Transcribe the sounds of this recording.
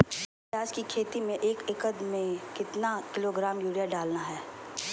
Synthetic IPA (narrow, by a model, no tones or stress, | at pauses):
aːd͡ʒkikʰeːt̪imẽʔeːkɪkəd̪mẽkɪt̪nakɪloɡɾaːmjuːɽijaɖaːlnaɦɛː